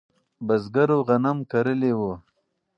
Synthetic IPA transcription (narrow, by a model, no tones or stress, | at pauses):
bɐzɡaɾoɣɐnamkɐɾəlewo